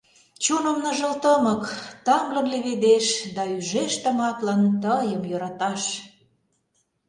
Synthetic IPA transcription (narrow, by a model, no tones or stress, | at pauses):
t͡ɕunə̆mnə̆ʒə̆lt̪əməkt̪ɑmlə̆mleβed̪eʃd̪ɑyʒeʃt̪ə̆mɑt̪lɑnt̪əjəmjoɾɑt̪ɑʃ